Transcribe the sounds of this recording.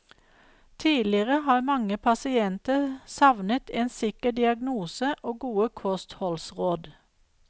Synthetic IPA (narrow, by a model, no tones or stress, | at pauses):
t̪ʰiːlɪəʁəhɑːmɑŋəpʰɑsɪɛnt̪əsɑʋnət̪ʰeːnsɪkəd̪ɪɑɡnuːsəʔoːɡuːəkʰɔst̪hɔlsʁoːd̪